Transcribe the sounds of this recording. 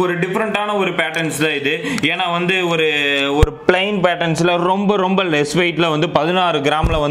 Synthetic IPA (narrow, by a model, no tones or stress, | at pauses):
ɔɾɯɖɪfɐɾɐɳʈaːnɐɔɾɯpeːʈɐnslɐɪðɯeːnaːʋɐnd̪ɯɔɾɯɔɾɯpɭɐɪnpeːʈɐnslɐɾɔmbɐɾɔmbɐlɛsʋɐɪʈːɪlɐʋɐnd̪ɯpɐðɪnaːɾɯɡɪɾaːmɪlɐʋɐn